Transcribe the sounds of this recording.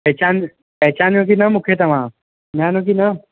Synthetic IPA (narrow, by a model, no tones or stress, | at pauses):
pɛɦt͡ʃaːn | pɛɦt͡ʃaːnjõk̬inɐmʊkʰjet̪ɐʋãː | naːnõk̬ina